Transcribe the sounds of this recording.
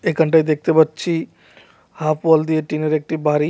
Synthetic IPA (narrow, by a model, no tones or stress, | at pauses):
ekɦəɳʈajd̪ek̚ʰt̪ebətːt͡ʃʰi | hapʰbold̪ijeʈineɾek̚ʈibaɾi